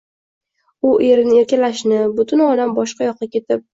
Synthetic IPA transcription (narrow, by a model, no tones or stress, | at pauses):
ʊʔe̞ɾnɪeɾkʲalaʃnɪbʊt̪ʰʊnɒlambɒʃqɑjɒqːɑkʲe̞t̪ʰɪp̚